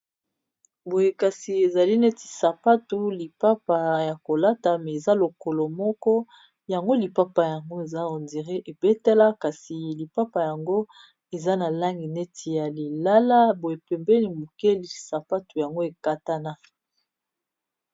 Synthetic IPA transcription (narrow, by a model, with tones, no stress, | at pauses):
bo˨je˦ka˨si˨e˨za˨li˦nɛ˦ti̥˨sa˨pa˦tu˨li˨pa˦pa˨ja˨ko˨la˦ta˨mɛ˨e˨za˦lo˨kɔ˨lɔ˨mɔ˦kɔ˦ | ja˨ŋɡo˦li˨pa˦pa˨ja˨ŋɡo˦e˨za˦o˨ndi˨ʁe˦ʔe˨bɛ˦tɛ˦la˦ka˨si˨li˨pa˦pa˨ja˨ŋɡo˦ | e˨za˦na˨la˦ŋɡi˨ne˦tʰi˨ja˨li˨la˦la˦bo˨je˨pɛ˨mbɛ˦ni˨mu˨ke˦li˨sa˨pa˦tu˨ja˨ŋɡo˦e˨ka˦ta˦na˦